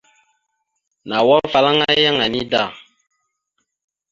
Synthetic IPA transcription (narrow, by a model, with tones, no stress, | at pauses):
na˨wɔ˦fa˦la˦ŋa˦ja˦ŋa˨ni˦da˦˨